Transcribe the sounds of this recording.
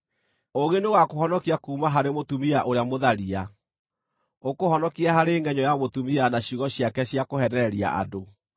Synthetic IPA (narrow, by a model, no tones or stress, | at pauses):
oɣeneɣakoɦɔnɔkiakuːmaɦaɾemotumiaʔoɾeamoðaɾia | okohɔnɔkiaɦaɾeːŋɡɛɲɔjamotumianaɕiɣɔɕiakɛɕjakohɛnɛɛɾia̰ʔa̰do